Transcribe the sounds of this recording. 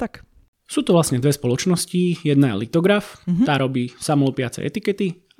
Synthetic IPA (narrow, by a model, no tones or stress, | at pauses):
t̪ak | suːt̪ɔʋlasɲɛd̪ʋɛspɔlɔt͡ʃnɔscijɛd̪najɛ̰lit̪ɔɡɾaft̪aːɾɔbiːsamɔlpɪat͡sɛ̰ʔɛ̰t̪ikɛt̪i